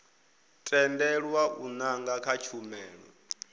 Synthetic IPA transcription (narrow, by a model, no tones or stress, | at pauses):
tʼɛndɛɺwaʔunaŋɡakʰat͡ʃʰumɛːɺɔ̰